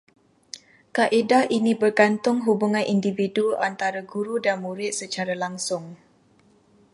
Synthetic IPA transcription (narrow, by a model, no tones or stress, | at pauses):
kaʔedainibərɡant̪ʊŋɦubuŋãnʔindividua̰nt̪aɾaɡuɾudanmuɾɪt̪̚sət͡ʃaɾalaŋsʊŋ